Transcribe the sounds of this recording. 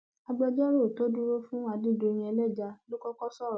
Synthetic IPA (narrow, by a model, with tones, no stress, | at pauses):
a˧ɡ͡bɔ˧d͡ʒɔ˦ɾo˦˨to˦du˦ɾo˦fũ˦a˧dĩ˦˨do˧ɾ̃ĩ˧˦ɛ˧lɛ˦˨d͡ʒa˧lo˦kɔ˦kɔ˦sɔ˦˨ɾ